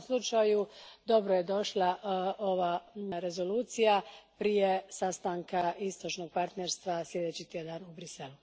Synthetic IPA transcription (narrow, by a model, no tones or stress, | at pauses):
slˠut͡ʃajud̪o̞bɾoje̞d̪o̞ʃlˠaʔo̞ʋaːɾe̞zo̞luːt̪sijapɾije̞sast̪aŋkaist̪o̞t͡ʃno̞ɡ̚paɾt̪ne̞ɾst̪ʋasljʲe̞d̪et͡ɕit̪jed̪anubɾise̞lu